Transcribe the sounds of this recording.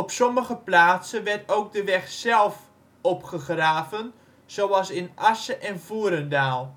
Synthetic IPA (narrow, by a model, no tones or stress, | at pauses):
ɔpsɔməɣəplaːtsənʋɛrtowk̚dəʋɛxsɛlˠf | ɔpχəχraːvən | z̥owɑlˠsɪnasəʔɛnvuəɾəndaːlˠ